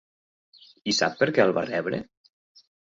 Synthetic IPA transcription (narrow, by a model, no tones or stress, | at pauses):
isa̰pːəɾkɛəlˠβa̰rɛβɾə̰